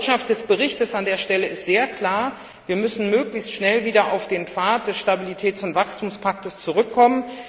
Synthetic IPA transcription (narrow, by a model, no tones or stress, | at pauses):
ʃaft̚d̥ɛsb̥əʁɪçtəsandeːɐʃtɛləɪstz̥eːɐkʰl̥aːɐ | viːɐmʏsn̩møːklɪçstʃnɛlviːdɐʔaʊfd̥eːnfaɐt̚d̥ɛsʃtabilitʰɛːt͡sʊntv̥akstʰuːmspʰak̚təst͡suʁʏkʰːɔmən